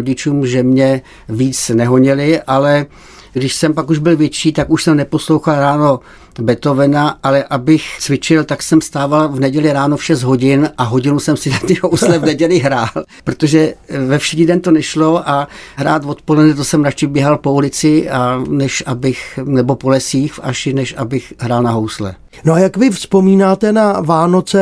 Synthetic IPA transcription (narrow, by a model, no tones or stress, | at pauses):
oɟɪt͡ʃuːmʒɛmɲɛ | viːt͡snɛɦoɲɪlɪʔalɛ | ɡdɪʃsɛmpakuʒbɪlvjɛt͡ʃiːt̪akuʃsɛmnɛpo̞slowxalɾaːno̞ | bɛt̪o̞vɛnaʔalɛʔabɪxt͡svɪt͡ʃɪlt̪aksɛmst̪aːvalvnɛɟɛlɪɾaːnofʃɛzt̪ɦo̞ɟɪnʔaɦo̞ɟɪnusɛmsɪnat̪ɛouslɛvnɛɟɛlɪɦɾaːlpɾot̪o̞ʒɛvɛfʃɪxɲɪdɛnt̪onɛʃlo̞ʔaɦɾaːt̪vo̞t̪po̞lɛdnɛt̪osɛmɾat͡ʃɪbjɛɦalpo̞ulɪt͡sɪanɛʃʔabɪxnɛbo̞po̞lɛsiːxfaʃɪnɛʃʔabɪxɦɾaːlnaɦowslɛ̰ | noajakvɪfspomiːnaːt̪ɛnavaːnot͡sɛ